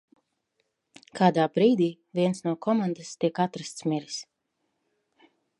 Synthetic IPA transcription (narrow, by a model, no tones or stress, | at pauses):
kʰaːd̪aːbɾiːd̪iː | vʲiɛnsnuɔkʰɔmand̪ast̪iɛkat̪ɾast̪smiɾis